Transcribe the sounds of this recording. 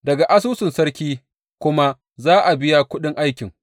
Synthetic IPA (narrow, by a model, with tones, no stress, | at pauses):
dɐ˨ɡa˨ʔa˦s̬uː˦sɪ˨nsɐ˦ɽkʲiː˦ | kʷʊ˦ma˦ | zaː˦ʔa˨bɪ˦ja˦kʷʊ˦ɗɪ˦ŋʔa˦jkʲɪ˨ŋ